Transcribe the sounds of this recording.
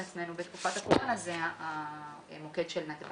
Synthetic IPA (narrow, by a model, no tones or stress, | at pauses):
at͡sme̞nubet̪kufat̪akolanazea | mokedʃelnat̪b